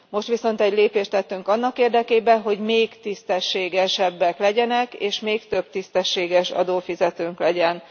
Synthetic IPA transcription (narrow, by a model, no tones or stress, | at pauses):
mo̞ʃt̪ʋiso̞n̪t̪ɛɟleːpeːʃt̪ɛt̪ːyŋkɒnːɒkeːrd̪ɛkeːbɛnɦo̞ɟmeːkt̪ist̪ɛʃːeːɡɛʃɛbːɛklɛɟɛnɛkeːʃmeːkt̪ø̞b̚t̪ist̪ɛʃːeːɡɛʃɒ̰d̪oːfizɛt̪øːŋklɛɟɛn